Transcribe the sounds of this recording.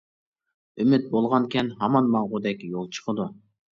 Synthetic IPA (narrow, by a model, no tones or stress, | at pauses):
ymɪt̪̚bolˠʁɑnkʲʰɛnɦɑmɑnmɑŋʁʊd̪ɛkʲjolˠt͡ʃʰə̥qʰəd̪u